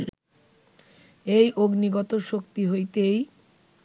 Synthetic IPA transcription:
ejʔoɡniɡɔt̪oʃokt̪iɦojt̪ej

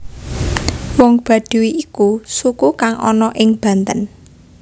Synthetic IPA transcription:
wɔŋb̥ä̤d̪̥ṳwiikusukukaŋʔɔ̰nɔʔɪŋb̥ä̤nt̪ən

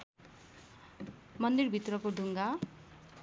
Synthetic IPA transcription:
mʌnd̪irbʱit̪rʌkoɖʱuŋɡa

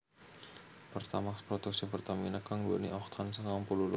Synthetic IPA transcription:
pərt̪amaspɾɔt̪uk̚sipərt̪aminakaŋɡo̰nḭʔɔxt̪ʰansəŋampulul

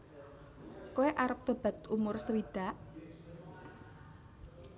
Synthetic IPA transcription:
koeʔaɾəp̚t̪o̤b̥a̤t̪umʊrsəwid̪̥a̤ʔ

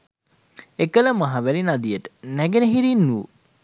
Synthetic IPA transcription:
ekələmaɦaʋælinad̪ijəʈə̥næɡenəɦiɾinːu

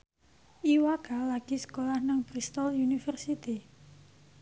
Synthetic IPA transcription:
ʔiwaɡ̥alaɡ̥isə̥kolahnaŋbɾist̪ɔljunifərsit̪i

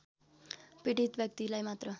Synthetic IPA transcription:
piʈit̪bjʌk̚t̪ilajmat̪ɾə

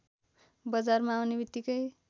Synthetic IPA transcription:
bʌd͡zarmaːwnebit̪ːikʌj

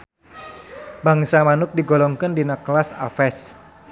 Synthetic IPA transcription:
baŋsamanʊk̚diɡolɔŋkəndinəklasa̰fɛs

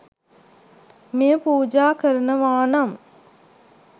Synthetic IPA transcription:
mejəpuːd͡ʒaːkəɾənəʋaːnam

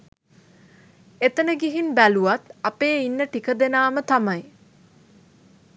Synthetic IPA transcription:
et̪ənəɡiɦinbæluʋat̪apeːinːəʈikəd̪enaːmət̪amaj

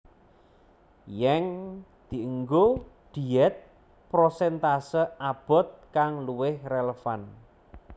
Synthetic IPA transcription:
jɛŋd̪̥i̤əŋɡod̪̥i̤ɛt̪̚ | pɾosɛnt̪asəab̥ɔ̤t̪̚kaŋluwɪhreləfan

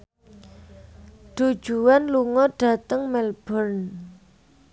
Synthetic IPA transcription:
ɖ̥ṳd̥ʒ̥ṳwanluŋɔɖ̥a̤t̪əŋmɛlb̥ərn

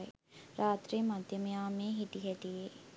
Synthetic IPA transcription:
j | ɾʔaːt̪ɾiːmɐd̪ʱjɐmɐjaːmeːɦiʈ̪iɦɐʈ̪ije

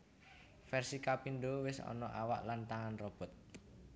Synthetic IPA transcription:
fɛrsikapinɖowɪsɔ̰nɔʔawa̰ʔlant̪aŋanrɔb̥ɔ̤t̪̚

